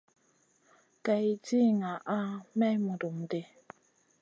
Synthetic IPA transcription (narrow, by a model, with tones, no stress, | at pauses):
ka˨i˨ti˦ŋa˨ʔa˦mɛ˦mu˨du˨m˨de˦